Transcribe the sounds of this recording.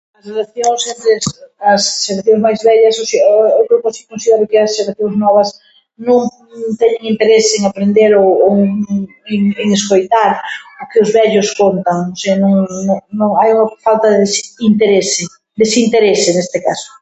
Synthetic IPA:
ɐsrelaθjoŋsent̪ɾɪsɐsʃeɾaθjõŋzmajzβɛʎɐsosiewkɾewkasi̥kõnsiðɛɾʊkɪɐsʃelaθjoŋznɔβɐs | nõŋ | t̪ɛɲɪŋint̪eɾeseŋapɾend̪eɾoo | eŋeŋeskojt̪aɾokɪʊzβɛʎʊskont̪aŋoseanõŋnoŋnõŋajuŋɐfalt̪ɐðesint̪eɾese | d̪esint̪eɾesenest̪ɪka̰sʊ̥

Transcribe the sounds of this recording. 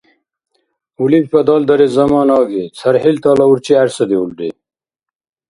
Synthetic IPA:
ulifpɐd̪ɑːld̪ɐɾezɐmɑːnɑːɡit͡sʰɐɾhilt̪aːlɐuɾt͡ɕiæɾsɐd̪iulɖḭ

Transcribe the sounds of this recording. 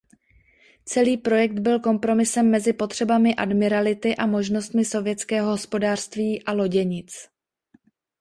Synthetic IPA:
t͡sɛliːpɾo̞jɛk̚d̪bɪlko̞mpɾo̞mɪsɛmːɛzɪpo̞t̪r̝̥ɛbamɪʔadmɪɾalɪt̪ɪʔamo̞ʒno̞st̪mɪso̞vjɛt͡skɛːɦo̞ɦo̞spo̞daːr̝̥st̪viːʔalo̞ɟɛɲɪt͡s

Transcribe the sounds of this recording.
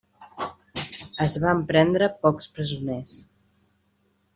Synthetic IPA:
əzβampɾɛnd̪ɾəpɔkspɾəzunes

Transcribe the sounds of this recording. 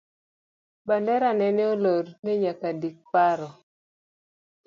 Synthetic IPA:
bandɛɾanɛneolorneɲakadik̚paɾɔ

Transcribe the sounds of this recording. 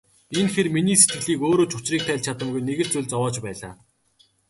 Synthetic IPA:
enxerminiːset̪ɡɘ̆ɮiːkoːɾoːt͡ɕʊt͡ɕriːk̚t̪ʰæːɮt͡ɕʰat̪ə̆ŋɡujneɣɘ̆ɮt͡sʊɮʲt͡sɔwɔːt͡ɕpæːɮa̰ː

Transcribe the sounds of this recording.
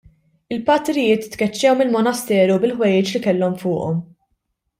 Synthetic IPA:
ɪlpɐt̪ɾɪjɪːt̪t̪kɛt͡ʃːɛwmɪlmɔnɐst̪ɛːɾubɪlħwɛjɪːt͡ʃlikɛlːɔmfʊːʔɔm

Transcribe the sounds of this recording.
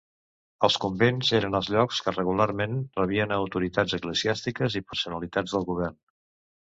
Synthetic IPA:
əlˠskumbenzeɾənəlˠzʎɔkskərəɣularmenrəβ̞iənəwt̪uɾit̪ad͡zəkləziast̪ikəzipəɾsunəlit̪ad͡zðəlˠɣuβ̞ɛrn

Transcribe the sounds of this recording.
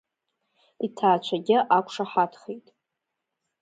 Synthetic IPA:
itʰaːt͡ʃʷʰaɡʲɪʔakʷʰʂaħatʰχejtʼ

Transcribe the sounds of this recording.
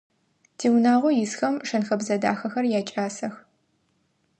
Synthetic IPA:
tʰiːwnaːʁʷʊjɪsxɐmʂɐnxɐbzɐda̰ːxɐxɐrjaːt͡ʃʼaːsɐx

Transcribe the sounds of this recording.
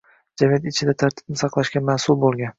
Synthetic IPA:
d͡ʒamijat̪ɪt͡ʃʰɪd̪at̪ʰaɾt̪ʰɪ̥b̚nɪsɑqlˠaʃɡʲamaːsʊlˠbolˠɡʲan

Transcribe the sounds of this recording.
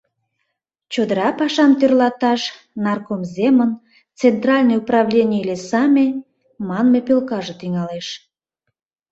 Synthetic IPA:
t͡ɕod̪əɾɑpɑʃɑmt̪ørlɑt̪ɑʃ | nɑrkomzemən | t͡sent̪rɑlʲnojuprɑβlʲenʲiilʲesɑmʲe | mɑnmepølkɑʒət̪iŋɑleʃ

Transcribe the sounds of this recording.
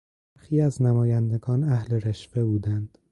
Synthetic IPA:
bæɾxiːæznæmɒːjænd̪e̞ɡɒːnæhle̞ɾeʃve̞buːd̪ænd̪̥

